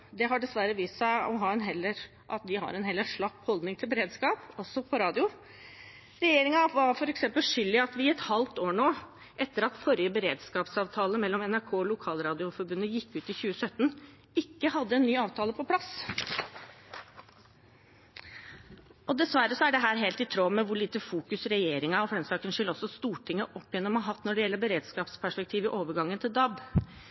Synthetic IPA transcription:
d̪ɛɦɑɖɛsʋæɾəʋiːssæɪɔɦɑːɛnɦɛlːəɾ | ʔɑt̪d̪ɪɦɑ̰ɾɛnhɛlːəʂɭɑkːhɔld̪nɪŋt̪ʰɪlbəɾeːd̪skɑːpɔsːɔpʰɔɾɑːd̪ɪʊ | ɾɛjeːɾɪŋɑʋɑɾfɔɾɛksɛmpəlʂʏlːɪɑt̪ʋɪɛt̪hɑlt̪oːɳoː | ʔɛt̪ːəɾɑt̪fɔɾjəbəɾeːd̪skɑːpsɑːʋt̪ʰɑːləmɛlːɔmɛnæɾkʰoːɔlʊkʰɑːlɾɑːd̪ɪʊfɔɾbʉnːəjɪkːʉːt̪ɪçʉːəsœt̪ːn | ɪkːəhɑd̪ːəɛnːyːɑːʋt̪ʰɑːləpʰɔpʰlɑs | ɔd̪ɛsʋæɾːəsɔæɖɛɦæːɾɦeːlt̪ɪt̪ʰɾoːmɛʋʊɭiːt̪əfuːkʉsɾɛjeːɾɪŋɑɔfɔɾɛmsɑːkənʂɪlɔsːɔst̪uːʈʰɪŋːəʔɔpːjɛnːəɔmɑɑɦɑt̪ːnɔɖɛjɛlːəbəɾeːd̪skɑːpspʰæʂpɛkt̪ʰiːʋɪʔoːʋəɾɡɑŋːənt̪ʰɪld̪ɑb

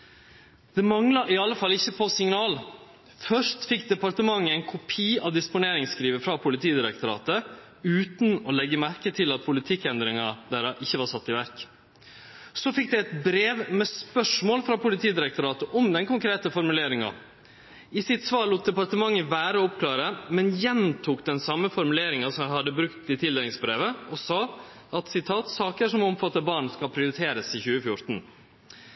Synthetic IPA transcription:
d̪̥ɛmɑŋlɑʔɪɑlːəfɑlːɪçːəpʰɔsɪŋnɑːl | fœʂt̪fɪkːd̪ɛpɑɾt̪əmɑŋːəɛɪnkʰʊpʰiːɑʋd̪ɪspʊneːɾɪŋskɾiːʋəfɾɑpʰʊlɪt̪ʰiːd̪ɪɾɛkt̪ʊɾɑ̰ːt̪ə | ʉːt̪nɔlɛɡːəmæɾkət̪ʰɪlɑt̪̚pʰʊlɪt̪ʰɪkːɛnd̪ɾɪŋɑd̪æɾɑʔɪçːəʋɑːɾʂɑt̪ːɪʋæɾk | sofɪk̚d̪ɛɛt̪bɾeːʋmɛspœʂmoːlfɾɑpʰʊlɪt̪ʰiːd̪ɪɾɛk̚t̪ʊɾɑːt̪əʔɔmd̪ɛnkʊŋkɾeːt̪əfɔɾmʉleːɾɪŋɑ̰ | ɪsɪt̪sʋɑːɭuːt̪̚d̪ɛpɑɾʈ̪əmɑŋːəʋæːɾəɔɔpkʰlɑːɾəmɛnjɛnt̪ʰuːkd̪ɛnsɑmːəfɔɾmʉleːɾɪŋɑsɔmæɪhɑd̪ːəbɾʉkt̪ɪt̪ʰɪld̪eːlɪŋsbɾeːʋəɔsɑː | ɑt̪sɪt̪ʰɑːt̪sɑːkəʂɔmɔmfɑt̪ːəɾbɑːɳskɑlpʰɾɪʊɾɪt̪ʰeːɾəsɪçʉːəfjʊɾt̪n̩

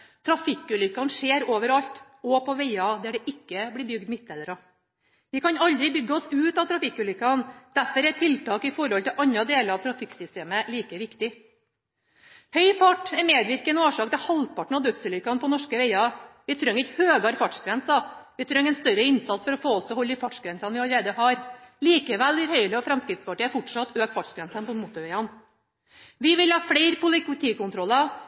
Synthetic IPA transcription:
t̪ʰɾɑfɪkːʉːlʏkːɑnʂeːɾoːʋəɾɑʎt̪ | ɔpʰɔʋeɪɑd̪æɖɛʔɪkːəblɪːbʏɡd̪mɪt̪ɛd̪əɾɔ | ʋɪkʰɑnɑld̪ɾɪbʏɡːəɔsʉːt̪ɑt̪ʰɾɑfɪkːʉːlʏkːɑnd̪̥æɾfɔɾɛt̪ʰɪlt̪ɑːkɪfɔɾhɔlt̪ɪlʔɑɲɾɑd̪eːləɾɑʋt̪ʰɾɑfɪksʏst̪eːməliːkəʋɪkt̪ɪ | hœʏfɑʈːɛɾmeːd̪ʋɪɾkənoːʂɑːkt̪ʰɪlhɑlpɑʈɳ̩ɑʋd̪œt̪səlʏkːɑnpɔnɔʂkəʋɛɪɑʋɪt̪ʰɾœŋːɪçhøːɡɑɾfɑʈʂɡɾɛnsɑʋɪt̪ʰɾœŋːɛnst̪œɾəɪnsɑt̪sfɔɾɔfoːɔst̪ʰɛɔhɔlːəɪfɑʈʂɡɾɛnsɑnʋɪɑləɾeːd̪əhɑɾliːkəʋælʋɪɾhœʏləɔfɾɛmskɾɪt̪spɑʈiːæɾfɔʈʂɑt̪ːøːkfɑʈʂɡɾɛnsənpɔmʊt̪ʊɾʋɛɪɑn | ʋɪʋɪlhɑːfɽæɪɾpʊlɪkt̪ʰiːkʊnt̪ʰɾɔlːɑ

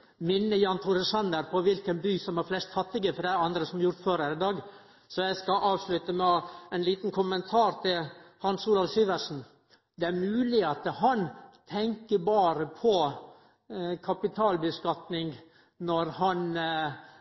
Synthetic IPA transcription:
mɪnːəjɑːnt̪ʰʊɾəsɑnd̪əɾpʰɔʋɪlkənbyːsɔmhɑɾflɛst̪hʰɑt̪ːɪɡəfɔɾɖæɪɑnd̪ɾəsɔmɑɾjʊɾt̪føːɾhæːɾɪd̪ɑːɡ | sɔjæɪskɑʔɑːʋslʉt̪əmɛænliːt̪n̩kʰʊmənt̪ʰɑːɾt̪ʰɪlhɑnsuːlɑʋsiːʋəɾʂn̩ | d̪ɛæɾmʉːlɪɑt̪əhɑnt̪ʰɛŋkəbɑːɾəpʰɔ | kʰɑpɪt̪ʰɑːlbəskɑt̪nɪŋɡ | nɔɾhɑn

